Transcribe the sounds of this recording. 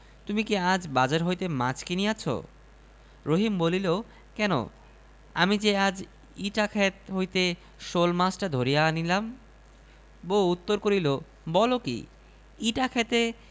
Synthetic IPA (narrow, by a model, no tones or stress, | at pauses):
t̪umikiad͡ʑbad͡ʑaɾɦojt̪emat͡ɕkiniat͡ɕʰo̰ | ɾoɦimbolilo | kɛno̰ | amid͡ʑead͡ʑ | iʈakʰet̪ɦojt̪e | ʃolmasʈad̪ʱoɾijaanilam | bout̪ːoɾkoɾilo | bɔlokḭ | iʈakʰɛt̪e